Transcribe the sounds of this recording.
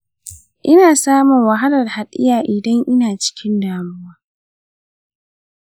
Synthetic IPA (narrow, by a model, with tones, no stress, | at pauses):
ʔɪ˦naː˨saː˦mʊ˨ŋwɐ˨ɦa˦lɐ˨rha˨ɗɪ˦jaː˨ʔɪ˨dɐ˦ŋʔɪ˦naː˨t͡ʃɪ̥˦kʲɪ˦ndaː˨mʊ˦waː˦